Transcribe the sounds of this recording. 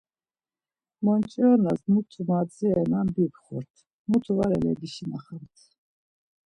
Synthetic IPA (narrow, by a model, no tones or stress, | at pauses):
mɔnt͡ʃʼiɔnazmut̪ʰumat͡sʼiɛnambipχuɾt̪ʰ | mut̪ʰuvaɾɛlɛ̰ɡiʃinaχamt̪ʰ